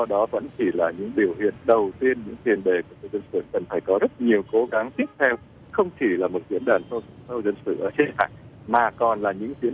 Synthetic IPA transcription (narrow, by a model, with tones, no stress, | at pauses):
zɔ˧ɗɔ˨˦və̰˧˥nt͡ɕi˧˩laː˨˩ɲɨ̰˧˥ŋɓi˧˩əwhḭ˧˨ənɗə˨˩wt̪i˧ənɲɨ̰˧˥ŋt̪ʰwi˨˩ənɗe˨˩ku˧˩sə˧wzə˧nsɨ̰˧˨kə˨˩nfaː˧˩jkɔ˨˦zə˦˥t̚ɲi˨˩əwko˨˦ɣa˨˦ŋt̪i˦˥əp̚t̪ʰɛ˧w | xə˧wŋ͡mt͡ɕi˧˩laː˨˩mo˨˩t̚zḭ˧˥ənɗaː˨˩nt̪sə˧wzə˧nsɨ̰˧˨ʔəː˧˩t͡ɕe˧ha̰ː˧˨j | maː˨˩kɔ˨˩nlaː˨˩ɲɨ̰˧˥ŋzi˨˧˥ən